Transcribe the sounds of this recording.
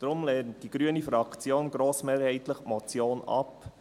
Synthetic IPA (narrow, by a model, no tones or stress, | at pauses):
d̥ɾʊmlɛːnt̚d̥iɡ̥ɾyənifɾɑkt͡sjoːnɡɾoːsmeːɾhɛɪtləχmɔt͡sjoːnɑ̰p